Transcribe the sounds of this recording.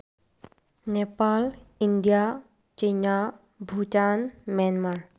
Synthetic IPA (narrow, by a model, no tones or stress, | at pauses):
nepalind̪ija | t͡ʃəjna | bʱut͡ʃanmjanmaɾ